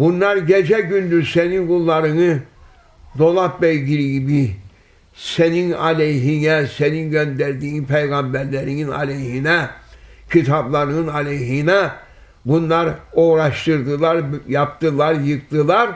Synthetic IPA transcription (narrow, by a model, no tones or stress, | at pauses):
bunlˠaɾɟed͡ʒɛɟynlʲyzseninɡulˠːaɾɯnɯ | d̪o̞lˠat̪̚bɛjɟiɾiɟibi | seninɑlʲejɦinɛseninɟønd̪æɾd̪iːnpʰejɡɑmbæɾlʲeɾininɑ̰lʲejɦinɛcʰit̪ʰablˠaɾɯnɯnɑlʲejɦinɛ | bunlˠaɾoːɾaʃt̪ɯɾd̪ɯlˠaɾjap̚t̪ɯlˠaɾjɯk̚t̪ɯlˠaɾ